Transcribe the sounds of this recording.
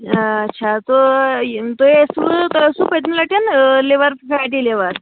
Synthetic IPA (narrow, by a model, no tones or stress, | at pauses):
tːɕʰat̪o | t̪oeəsut̪oəsuːpət̪niləʈənleʋəɾpfaʈ̬ileʋəɾ